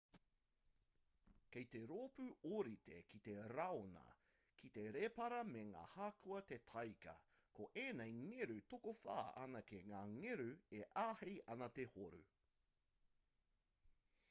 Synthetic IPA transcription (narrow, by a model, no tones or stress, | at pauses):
kejt̪e̞ɾoːpʉoɾit̪ekit̪e̞ɾɐonɐ̰ | kʰit̪e̞ɾepɐɾɐmeŋa̰ːhaːkʰuɐt̪et̪ʰɐjkɐ̰ | koʔeːnejŋeɾʉtokofa̰ːʔɐ̰nɐkeŋaːŋeɾʉeʔaːhejʔɐnɐt̪ehoɾṵ